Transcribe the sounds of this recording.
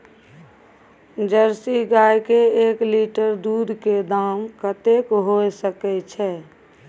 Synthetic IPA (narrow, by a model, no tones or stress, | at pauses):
d͡ʒəɾsiɡajkeeːkliʈəɾd̪ud̪ʱked̪aːmkət̪ekɦoesəkɛt͡ʃʰɛː